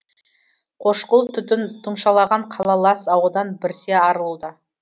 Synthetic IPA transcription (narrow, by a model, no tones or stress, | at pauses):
qʰo̞ʃqəlˠt̪ʰʏt̪ɪnt̪ʰʊmʃɑlˠɑʁɑɴqʰɑlˠɑlˠɑsɑwəd̪ɑnbɪɾseɑɾəlˠud̪ə